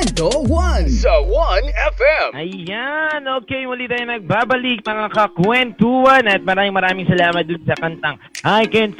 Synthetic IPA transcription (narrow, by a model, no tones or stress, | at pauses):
dowʌnzwʌ̃nɛfɛ̃mɐjanoːkɛjmʊlit̪aːjonɐɡ̚baːbɐlik̚mɐŋakɐkwɛnt̪uːwɐnɐt̪̚mɐɾaːmɪŋmɐɾaːmɪŋsɐlaːmɐt̪̚d̪ʊnsɐkɐnt̪aŋʔajkɛn